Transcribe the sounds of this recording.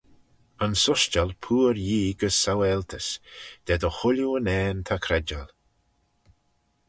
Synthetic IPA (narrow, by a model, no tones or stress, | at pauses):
ənsʊʃt͡ʃalpʰuːɾjiːɡəsːawɛlt̪ʰəsd̪̥ɛd̪əxʊljuənɛːnt̪ʰakʰɾɛd͡ʒal